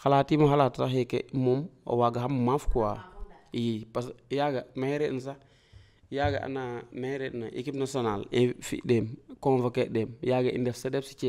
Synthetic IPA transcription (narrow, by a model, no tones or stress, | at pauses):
xalatimoxalattaxekḛmumo̰waɡaɦammafkuaijipasjaɡamaɾens̬a | jaɡa̰ʔa̰namaɾenaʔḭkipnasionalefḭdemkoŋvakedemjaɡaḭndefsadɛbsi̥t͡ʃe